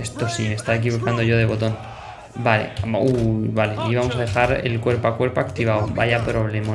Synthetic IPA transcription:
est̪o̞simest̪aek̬iβo̞kand̪oʝo̞ð̞e̞βo̞t̪o̞n | bale̞̰uβaleiβamo̞sað̞e̞xaɾḛlkwe̞ɾpakwe̞ɾpaːkt̪iβ̞awba̰japɾoβlemo

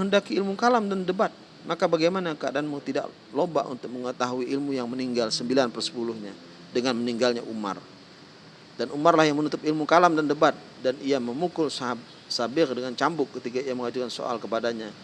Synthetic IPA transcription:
əɦəndakiːlmukalamdandəbat̪̚ | makabaɡajmanakəadaːnmʊt̪ida̰ʔ | loba̰ʔṵnt̪ʊk̚məŋət̪aɦuiʔːlmujaŋməniŋɡalsəmbilanpərsə̥pulʊhɲa | dəŋanməniŋɡalɲaʔuma̰r | danumarlahjaŋmənut̪ʊp̚ilmukalamdandəbat̪̚ | danijaməmukʊlsa | sabɪrdəŋant͡ʃambʊkːət̪ikaijaməŋad͡ʒukanso̰a̰lkəpadaɲa

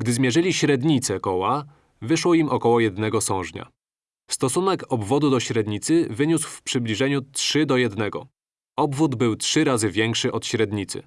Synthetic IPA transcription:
ɡd̪ɘzmʲjɛʐɘlʲiɕɾɛd̪ɲit̪sɛkɔwa | vɘʂwɔimɔkɔwɔjɛd̪nɛɡɔsɔ̃w̃ʐɲa̰ | st̪ɔsunɛkɔbvɔd̪ud̪ɔɕɾɛd̪ɲit̪sɘvɘɲuswfpʂɘblʲiʐɛɲutʂɘd̪ɔjɛd̪nɛɡɔ̰ | ɔbvud̪bɘwtʂɘɾazɘvʲjɛŋkʂɘʔɔt̪ɕɾɛd̪ɲit̪sɘ̰

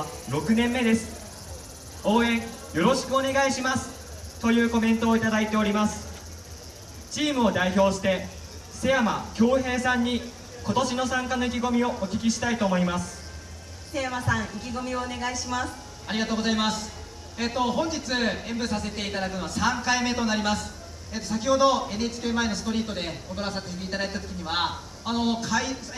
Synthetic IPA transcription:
ɾo̞kɯ̟nẽ̞mːe̞d̪e̞sɨ̥ | o̞ːẽ̞ŋ | jo̞ɾo̞ɕi̥kɯ̟o̞ne̞ɡaiɕimasɨ̥ | t̪o̞jɯ̟ːko̞mẽ̞nt̪o̞ːit̪ad̪ait̪e̞o̞ɾʲimasɨ̥ | t͡ɕiːmɯ̟o̞d̪aiço̞ːɕi̥t̪e̞ | se̞jama̰kʲo̞ːɦe̞ːsãɲ̟ːi | ko̞t̪o̞ɕino̞sãŋkano̞ikʲiɡo̞mʲio̞ʔokʲikʲiɕi̥t̪ait̪o̞ːmo̞imasɨ̥ | se̞jamasãɰ̃ikʲiɡo̞mʲio̞ːne̞ɡaiɕimasɨ̥ | aɾʲiɡat̪o̞ːɡozaimasɨ̥ | eːt̪ːo̞ɦõ̞ɲ̟d͡ʑit͡sɨẽ̞mbɯ̟sase̞t̪e̞it̪ad̪akɯ̟no̞βasãŋkaime̞t̪o̞naɾʲimasɨ̥ | e̞ːt̪osakʲiho̞d̪o̞e̞net͡ɕi̥kʲeːmae̞nosɨ̥t̪o̞ɾʲiːt̪o̞d̪e̞oɡ̪oɾasat̪eset̪eit̪ad̪ait̪at̪o̞kʲiɲ̟iβaː | no̞kʰai

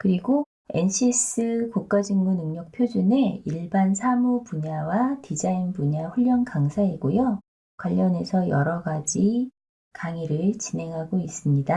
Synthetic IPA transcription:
kɯɾiɡo | e̞̰nɕʰis͈ɯkok͈ad͡ʑiŋmunɯŋɲʌk̚pʰjod͡ʑune̞iɭbansʰamupuɲawatid͡ʑainpuɲaɸuʎːʌnkaŋsʰaiɡojo | kwaʎːʌne̞sʰʌjʌɾʌɡad͡ʑi | kaŋiɾɯɭt͡ɕine̞ŋɦaɡois͈ɯmɲida

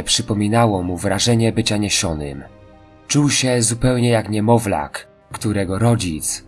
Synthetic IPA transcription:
pʂɘpɔmʲinawɔmuvɾaʐɛɲɛbɘt͡ɕaɲɛɕɔnɘ̰m | t͡ʂuwɕɛzupɛwɲɛjakɲɛmɔvla̰kː | t̪uɾɛɡɔɾɔd͡ʑit̪s

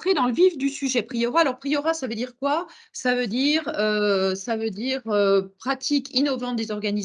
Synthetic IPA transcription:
t̪χed̪ɑ̃ləvifd̪ysyʒɛpχijɔʁaalɔʁpχijɔʁasavød̪iʁkwa | savød̪iʁøsavød̪iʁøpχat̪ʰikʰinɔvɑ̃t̪̚d̪ezɔʁɡani

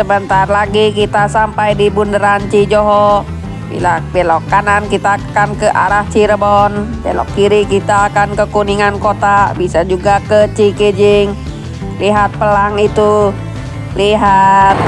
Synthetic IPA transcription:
səbənt̪arlaɡikit̪asampajdibundəɾant͡ʃid͡ʒoɦɔ | bḭlabɛlɔkːanankit̪aːkankəʔa̰ɾaht͡ʃiɾəbɔnbɛ̰lɔ̰kːiɾikit̪aːkankəkuniŋankot̪abisad͡ʒuɡakət͡ʃikid͡ʒɪŋ | liɦat̪̚pəlaŋit̪u | liɦat̪̚

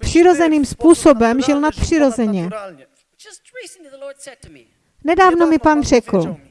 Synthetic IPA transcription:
pr̥ɪɾo̞zɛniːmspuːsobɛmʒɪlnat̪̚pr̝̥ɪɾo̞zɛɲɛ | nɛdaːvno̞mɪpaːnr̝̥ɛkl̩

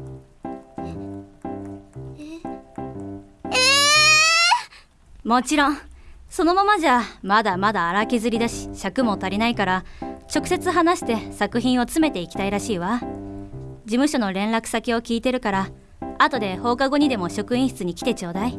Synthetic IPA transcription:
e | mo̞t͡ɕiɾõ̞ŋ̃so̞no̞mamaʑamad̪amad̪aːɾakʲizɨɾʲid̪aɕi̥ɕakɯ̟mo̞t̪aɾʲinaikaɾat͡ɕo̞kɯ̟̥se̞t͡sɨɦanaɕi̥t̪e̞sakɯ̟çĩɰ̃o̞t͡sɨme̞t̪e̞ikʲi̥t̪aiɾaɕiːβa | d͡ʑimɯ̟ɕo̞no̞ɾẽ̞ñɾakɯ̟̥sakʲio̞kʲiːt̪e̞ɾɯ̟kaɾa | at̪o̞d̪e̞ho̞ːkaɡo̞ɲ̟id̪e̞mo̞ɕo̞kɯ̟ĩɰ̃ɕi̥t͡sɨɲ̟ikʲi̥t̪e̞t͡ɕo̞ːd̪ai

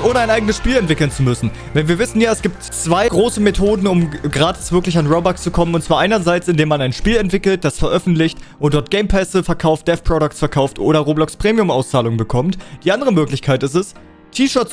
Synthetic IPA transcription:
ʔoːnəaɪnaɪɡənəsʃpiːlɛntv̥ɪkl̩nt͡sumʏsn̩ | vɛnviːɐvɪsn̩jaːɛsɡ̥iːp̚tt͡sv̥aɪɡʁoːsəmetʰoːdn̩ʊmɡʁaːtʰɪsv̥ɪɐklɪç̬anʁobakst͡sukʰɔmənʊntt͡sv̥aːɐʔaɪnɐzaɪt͡sɪndeːmanaɪnʃpiːlɛntv̥ɪkl̩t̚d̥asfɛɐʔœfn̩tlɪçtʔʊntd̥ɔɐt̚ɡ̥eɪmpʰɛsəfɛɐkʰaʊft̚d̥ɛfpʁ̥ɔɾʊk̚tsfɛɐkʰaʊftʔo̰ːɾɐʁoːblɔkspʁ̥eːmiʊmaʊst͡saːlʊŋənbəkʰɔmtd̥iːʔandəʁəmøːklɪçkʰaɪtɪstɛs | tʰiːʃœːɐt͡s

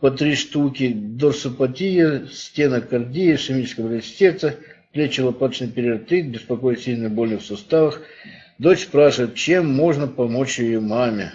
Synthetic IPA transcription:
pɐt̪ɾʲiʂt̪ukʲɪd̪orsʊpɐt̪ʲijəsʲtʲe̞nəkɐrdʲijəʂɪmʲit͡ʃɪ̥skəjəbəlʲɪsʲt̪ʲet̪sə | plʲet͡ɕːɪlˠɐpad̪t͡ɕnɨjpʲɪɾʲɪɐrt̪ɨt̪̚bʲɪspɐko̞jɪtʲsʲilʲnɨxbo̞lʲnɨxsʊst̪avəx | d̪o̞t͡ɕspɾaʂɨvɪt̪̚t͡ɕemːo̞ʐnəpɐmot͡ɕjɪjomamʲɪ̰

